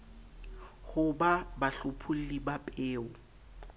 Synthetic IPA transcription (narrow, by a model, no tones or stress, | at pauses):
hʊbabaɬʊpʰʊl̩libapʼeːʊ